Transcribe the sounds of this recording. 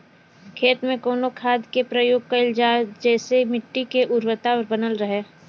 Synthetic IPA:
kʰeːt̪mẽkoːnokʰaːd̪kepɾəjoːɡ̚kɐɪld͡ʒaːd͡ʒɛːsemɪʈːikeʔʊɾwət̪aɾbənəlɾəɦeː

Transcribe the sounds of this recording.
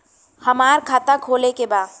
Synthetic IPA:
həmaːɾkʰaːt̪akʰoːlekebaː

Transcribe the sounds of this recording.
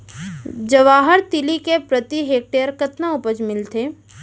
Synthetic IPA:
d͡ʒɐʋaːɦəɾt̪ɪlikepɾət̪iɦeːk̚ʈeːjəɾkɐt̪naʊpəd͡ʒmɪlt̪eː

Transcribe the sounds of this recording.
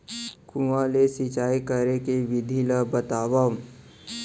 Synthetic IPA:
kũãlesit͡ʃaːikəɾekeʋɪd̪ʱiləbət̪aːʋa

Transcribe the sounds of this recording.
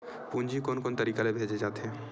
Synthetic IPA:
pũːɲd͡ʒikoːnkoːnt̪ɐɾiːkalebʱeːd͡ʒed͡ʒaːt̪eɦɛ̃ː

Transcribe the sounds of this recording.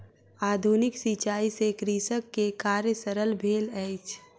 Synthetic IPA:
aːd̪ʱunɪksit͡ʃaːisekɾiːsəkːekaːɾjəsəɾəlbʱeːlɛɪt͡ʃʰ

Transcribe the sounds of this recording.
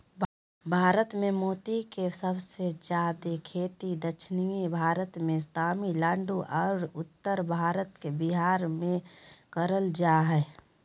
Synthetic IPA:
bʱaːɾət̪mẽmoːt̪ikesəbsed͡ʒjaːd̪ekʰeːt̪id̪əʃʰnijebʱaːɾət̪mẽst̪ʰaːmilaːɳɖuʔɔːɾʊt̪ːəɾbʱaːɾət̪kebiɦaːɾmẽkəɾəld͡ʒaɦɛ

